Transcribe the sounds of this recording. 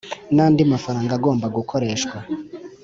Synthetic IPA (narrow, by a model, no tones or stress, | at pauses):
naːndimafaɾaːŋɡaɡo̞ːmbaɡukʰo̞ɾe̞ːʃkwa